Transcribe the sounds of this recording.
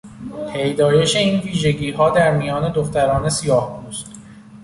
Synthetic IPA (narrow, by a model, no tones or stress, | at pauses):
pʰe̞jd̪ɒːje̞ʃeiːnviːʒe̞ɟiːɦɒːd̪æɾmijɒːne̞d̪o̞xt̪æɾɒːne̞sijɒːhbust̪